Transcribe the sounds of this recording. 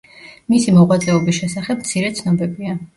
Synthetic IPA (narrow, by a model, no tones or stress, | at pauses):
misimɔʁwat̪sʼɛɔbisʃɛsaχɛp̚mt̪sʰiɾɛt̪sʰnɔbɛbia